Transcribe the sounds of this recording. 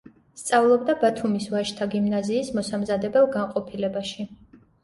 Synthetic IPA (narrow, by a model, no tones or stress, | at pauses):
st̪sʼavlˠɔbd̪abat̪ʰumisvaʃt̪ʰaɡimnaziːsmɔsamzad̪ɛbɛlˠɡaŋqʼɔpʰilɛbaʃi